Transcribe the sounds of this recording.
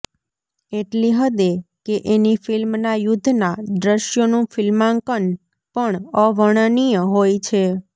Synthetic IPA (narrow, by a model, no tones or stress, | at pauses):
eʈliɦəd̪ekeʔenifɪlmnajʊd̪ʱːnad̪ɾəʃjonũfɪlmãŋkən | pəɳəʋəɽ̃ənijəɦojt͡ʃʰe